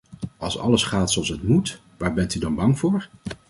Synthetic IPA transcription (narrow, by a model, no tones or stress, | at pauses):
ɑ̰lˠsɑ̰ləsχaːtsowɑlˠsətmut | ʋaːɹbɛntydɑnbɑŋvʊːɹ